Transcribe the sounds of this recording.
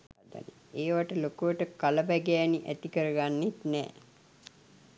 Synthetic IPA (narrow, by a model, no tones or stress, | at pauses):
d̪a̰nḭ | eːʋaʈəlokuʋəʈəkaləbæɡæːniʔæt̪ikəɾəɡanːet̪nɛ̰ː